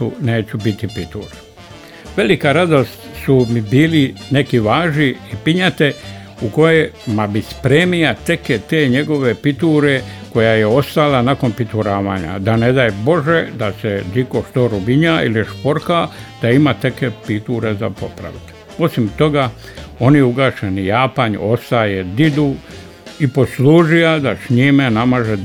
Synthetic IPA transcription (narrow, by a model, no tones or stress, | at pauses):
une̞ːt͡ɕubit̪ipit̪uːɾe | ʋe̞likaɾad̪o̞st̪sumibiːline̞kiʋaːʒniːpiɲat̪e̞ | uko̞jemabispɾeːmijat̪e̞ket̪e̞ːɲe̞ɡo̞ʋe̞pit̪uːɾeko̞jajeo̞st̪alanako̞npit̪uɾaːʋaːɲa̰d̪ane̞d̪aːjbo̞ʒed̪ased̪ikoʃt̪oɾubiɲaḭliʃpo̞ɾkad̪̥aimat̪e̞kepit̪uːɾezapo̞̰pɾa̰ʋit̪ | o̞simt̪o̞ɡa | o̞niuɡaʃenijaːpaɲo̞st̪ajed̪id̪u | ipo̞sluːʒijad̪asɲimenamaʒe